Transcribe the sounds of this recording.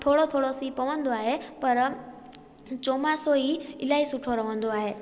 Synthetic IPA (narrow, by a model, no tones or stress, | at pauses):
t̪ʰoːɽot̪ʰoːɽosipəʋənd̪oaɦepəɾ | t͡ʃomasoiɪlaisuʈʰoɾəʋə̃nd̪oaɦe